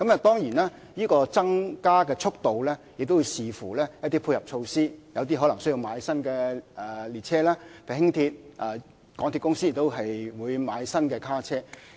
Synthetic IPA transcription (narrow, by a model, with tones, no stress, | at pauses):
kɐ˨˦mɐ˨t̪ɔː˥ŋjiː˨˩naː˥ | jiː˥kɔː˧t͡sɐ˥ŋkaː˥kɛː˧t͡sʰʊ˥k̚t̪o˨wlɛː˥jɪ˨k̚t̪o˥wu˨˧jsiː˨˩fuː˨˩lɛː˥jɐ˥t̚t̪iː˥pʰuː˧jɐ˨p̚t͡ʃʰo˧wsiː˥jɐ˨˧wt̪i˥ɦɔ˨˥lɐ˨˩ŋsɵ˥ɥji˧wmaː˨˧jsɐ˥nkɛː˧ɛ˨˩liː˨t̚t͡sʰɛː˥laː˥pʰe˨˩hɪ˥ŋt̪ʰiː˧t̚ʔɛː˨˩ | kɔː˨˥ŋt̪i˧tkʊ˥ŋsiː˥jɪ˨˩kt̪o˥wɦɐ˨jwuː˨˧jmaː˨˧jsɐ˥nkɛː˧kʰaː˥t͡sʰɛː˥